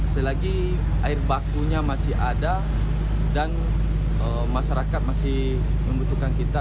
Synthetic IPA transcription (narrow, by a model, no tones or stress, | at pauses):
səlaɡi | aɪrbakuɲamasɪɦada | dan | ə | maʃaɾakat̪̚masɪh | məmbut̪ukankit̪a